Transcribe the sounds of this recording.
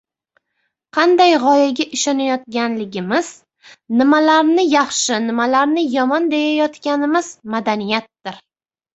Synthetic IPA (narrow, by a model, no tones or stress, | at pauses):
qʰɑnd̪ajʁɒjaɡʲaʔɪʃɒnajɒt̪̚ɡʲanlɪɡʲɪmɪz̥ | nɪmalaɾnɪjɑχʃɪnɪmalaɾnɪjɒmɒnd̪e̞jajɒt̪kʲanɪmɪzmad̪anijat̪̚ːɪɾ